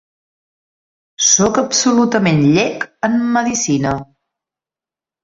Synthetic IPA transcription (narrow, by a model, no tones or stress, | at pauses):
sɔkəpsulut̪əmenʎɛkəmːəðisinə